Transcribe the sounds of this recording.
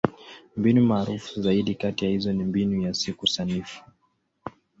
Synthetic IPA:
mbinumaːɾufu̥zaiɗikatijahizɔnimbinujasikusanifu̥

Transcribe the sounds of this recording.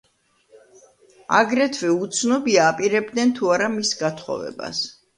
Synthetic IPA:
a̰ɡɾɛt̪ʰvɛut̪sʰnɔbiaːpʼiɾɛb̚d̪nɛnt̪ʰuaɾamisɡat̪ʰχɔ̰vɛ̰ba̰s

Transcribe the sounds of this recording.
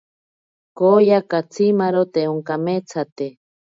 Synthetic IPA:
kojakat͡sʰimaɾot̪euŋkamet͡sʰat̪e

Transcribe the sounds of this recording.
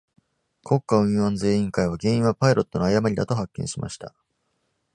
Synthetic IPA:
kʰo̞kːaɯ̟̃ɰ̃ãnze̞ːĩŋkaiβ̞aɡẽ̞ɰ̃ĩɰ̃βapaiɾo̞t̪ːo̞no̞ajamaɾʲid̪at̪o̞ɦakːẽ̞ɰ̃ɕima̰ɕi̥t̪a

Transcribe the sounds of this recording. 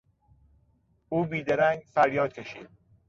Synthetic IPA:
ʔuːbiːd̪æɾæŋɡfæɾjɒːd̪̥̚cʰeʃḭːd̪̥̚

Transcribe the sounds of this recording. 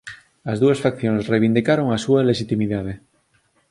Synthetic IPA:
azðuasfakθjonesreβind̪ikaɾo̞ŋasualeʃit̪imiðaðe

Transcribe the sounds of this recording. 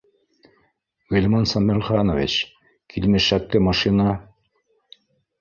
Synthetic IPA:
ɣɘlʲmɑnsɑmɘlʲχɑnovʲḭt͡ɕ | kʰilmɘ̆ʃæk̚t̪ɘmɑʃinɑ

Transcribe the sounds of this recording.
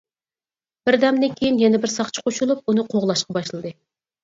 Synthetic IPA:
b̥ɪɾd̪ɛmd̪ɪnkʲʰejinjɛnɛbɪɾsɑχt͡ʃʰə̥qʰoʃulˠup̚unɨqʰoʁlˠɑʃqɑbɑʃlˠɨd̪ɨ

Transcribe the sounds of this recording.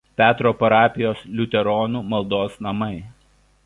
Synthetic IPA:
p̪ʲæːt̪ɾoːpɐɾɑːpʲɪjoːslʲʊt̪ʲɛɾɔːnuːmɐlˠd̪oːsnɐmɐɪ

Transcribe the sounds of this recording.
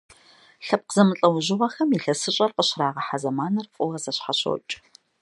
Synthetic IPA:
ɬɐp̚qəzɐmɨɬʼɐwʑɪʁɐxɐmiɬɐsɨɕʼɐrqəɕraːʁɐħazɐmaːnɐrfʼʊwɐzɐɕħaɕo̰wt͡ʃʼ

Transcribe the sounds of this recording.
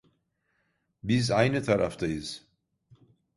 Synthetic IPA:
bizajnət̪ʰaɾa̰fd̪aiz

